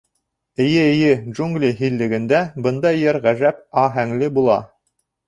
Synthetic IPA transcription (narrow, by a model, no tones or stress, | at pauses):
ɘ̆jɘɘ̆jɘʒuŋɡlʲiɦilːɘ̆ɡɘ̆nd̪æbɤnd̪ɑjːɘɾʁæʒæp̚ɑɦæŋlɘbulˠɑ̰